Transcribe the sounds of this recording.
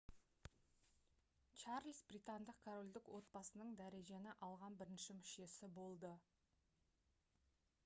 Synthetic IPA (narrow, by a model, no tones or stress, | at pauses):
t͡ʃɑrlsbrijt̪and̪əqkʰoɾo̞lʲd̪ɪkwo̞t̪̚bɑsənəɴd̪æɾe̞ʒe̞nɪʔɑlˠʁɑnbɪɾɪnʃɪmɪʃe̞sɪbo̞lˠd̪ə